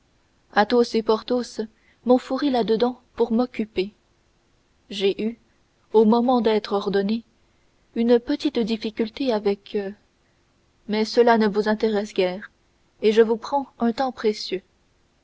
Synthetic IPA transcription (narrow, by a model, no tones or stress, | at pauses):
at̪osepɔʁt̪os | mɔ̃fuʁilad̪əd̪ɑ̃puʁmɔkʲype | ʒeʔy | omɔmɑ̃d̪ɛt̪χɔʁd̪ɔne | ynpət̪it̪d̪ifikʲylt̪eavɛkʰ | mɛsəlanəvuzɛ̃t̪eʁɛsɡʲɛːʁ | eʒəvupχɑ̃ɛ̃t̪ɑ̃pχesjø